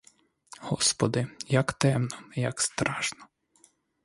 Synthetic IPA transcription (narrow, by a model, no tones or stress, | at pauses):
hɔspɔd̪ɪjɐkt̪ɛmnɔjɐkst̪ɾɑʃnɔ